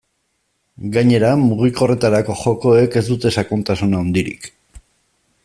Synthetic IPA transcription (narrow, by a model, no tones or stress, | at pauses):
ɡaɲe̞ɾamuɣ̞iko̞re̞t̪aɾako̞xo̞ko̞e̞ke̞zd̪ut̪e̞sakunt̪asunaond̪iɾḭk